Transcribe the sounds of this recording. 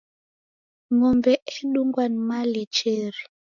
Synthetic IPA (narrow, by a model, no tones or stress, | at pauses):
mɔmbɛɛɗuŋɡwanmalit͡ʃeɾi